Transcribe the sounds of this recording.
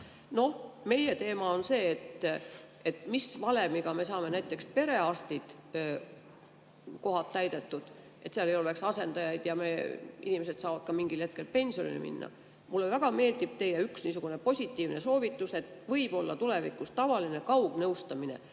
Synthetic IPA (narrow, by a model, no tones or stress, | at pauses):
no̞hme̞je̞t̪e̞ːmɑonse̞ːt̪ | e̞t̪ːˑmisvɑle̞miɡ̥ɑme̞sɑːme̞næjt̪ːˑe̞kspe̞ɾe̞ɑst̪id̪̥ | ko̞ɦɑt̪ːæjd̪̥e̞t̪ːˑud̪̥ | ʔe̞t̪sɑle̞jo̞le̞ksɑse̞nd̪ɑjɑjd̪̥jɑmeḭnime̞se̞d̪̥sɑːvɑd̪̥̚kɑmiŋɡ̥ilhe̞t̪̚ke̞lpe̞nʲsio̞nḭlḭmḭnːɑ̰ | mulːevæɡ̥ɑme̞ːld̪̥ib̥̚t̪e̞jeyksniːsuɡ̥une̞po̞sʲit̪ˑːiːvne̞so̞ːvit̪ːˑuse̞t̪ːˑvɤjb̥o̞lːɑ̰t̪ule̞vḭkːˑust̪ɑvɑline̞kɑuɡ̥nɤwst̪ɑmine̞̰